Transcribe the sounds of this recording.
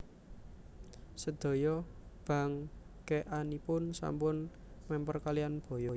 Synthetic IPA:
səd̪̥o̤jɔb̥ä̤ŋ | keʔanipʊnsa̰mpʊn | mɛmpərkalijanb̥ɔ̤jɔ

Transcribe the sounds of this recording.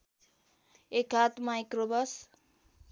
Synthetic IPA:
ekɦat̪majkrobʌs

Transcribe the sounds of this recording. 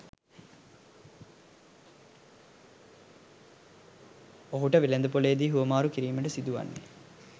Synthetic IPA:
oɦuʈəʋilend̪əpoleːd̪iːɦuʋəmaːɾukiɾiːməʈəsid̪uʋa̰nːḛ

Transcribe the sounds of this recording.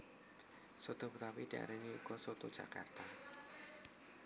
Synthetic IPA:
sod̪̥ɔ̤pət̪apid̪̥ia̰ɾeniṵkɔsot̪o̥ʒ̥a̰ka̰rt̪a

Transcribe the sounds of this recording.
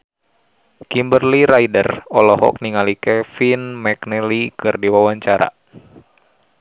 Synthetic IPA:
kimbərliɾaidərɔlɔɦɔ̰k̚niŋalikɛfinmɛknɛlikɨrdiwawaɲt͡ʃaɾa̰

